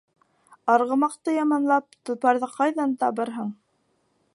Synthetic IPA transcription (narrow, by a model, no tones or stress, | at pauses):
ɑɾʁɤ̆mɑqt̪ɤjɑmɑnlˠɑp̚t̪ŏpɑɾðɤqɑjðɑnt̪ɑβɤɾɦɤɴ